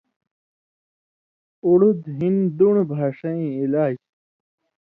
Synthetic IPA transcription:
uɽud̪ɦind̪uɳbʱaːʂɐĩːilaːd͡ʑ

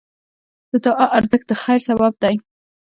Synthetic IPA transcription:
d̪̥əd̪ɑʔaʔaɾzək̚d̪əxajɾsabab̚d̪aj

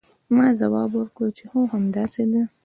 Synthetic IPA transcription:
mɑzawɑːbwʊɾkɽot͡ʃehũhamd̪ɑsed̪ə

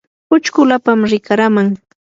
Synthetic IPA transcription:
ʊt͡ʃkʊlapamɾɪkaɾamaŋ

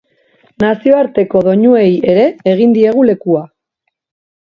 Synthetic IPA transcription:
nasio̞aɾt̪e̞ko̞ðo̞ɲue̞je̞ɾe̞ːɣ̞ind̪ie̞ɣ̞ule̞kua

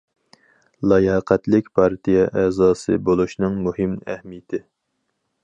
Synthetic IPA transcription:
lˠɑjɑːqʰɛt̪lɪkʲpʰɑɾt̪ijɛʔɛzɑːsɨ̰bolˠuʃnɨŋmuhɨmæ̰hmijt̪ʰɪ

